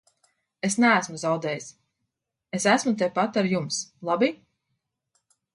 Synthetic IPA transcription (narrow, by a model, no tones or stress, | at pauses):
esnæːsmuzawd̪ɛːjis | esæsmut̪̬ɛpat̪aɾjumslˠabi